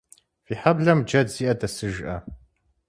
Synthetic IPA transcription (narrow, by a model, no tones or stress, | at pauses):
fiːħabɮɐmd͡ʒɐdziːʔɐtʰɐsɨʒʔɐ̰